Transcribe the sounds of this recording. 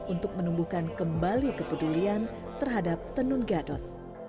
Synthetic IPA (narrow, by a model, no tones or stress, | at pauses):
unt̪ʊk̚mənumbuhkankəmbalikəpədulian | t̪ərɦadap̚t̪ənunɡadɔt̪̚